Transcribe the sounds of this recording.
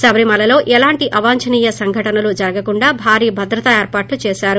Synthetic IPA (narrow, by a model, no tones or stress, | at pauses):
sɐbɾimɐlɐlo̞ːʔɛlaːɳʈiʔʔɐʋaːɲt͡ʃɐniːjɐsɐŋɡʱɐʈɐnɐlud͡ʒɐɾɐɡɐkuɳɖaːbʱaːɾiːbʱɐd̪ɾɐt̪ɐeːɾpaːʈlut͡ʃeːʃaːɾu